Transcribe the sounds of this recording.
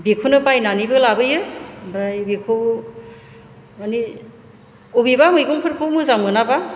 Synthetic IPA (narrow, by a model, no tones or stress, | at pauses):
bikʰunɯpajnanibɯlabɯjɯbɾajbikʰow | mani | ubibamɯjɡɔŋpʰɯɾkʰowmɯzamɡɯnaba